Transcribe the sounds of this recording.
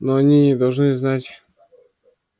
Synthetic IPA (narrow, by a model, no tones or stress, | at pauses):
nɔɲʲiɲɛd̪alʐnɨznat͡ɕ